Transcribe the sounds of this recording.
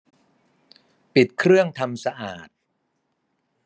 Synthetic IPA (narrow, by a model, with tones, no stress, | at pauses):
pi˨˩t̪̚kʰɾɯ˥˩əŋt̪ʰa˧msa˧ʔaː˨˩t̪̚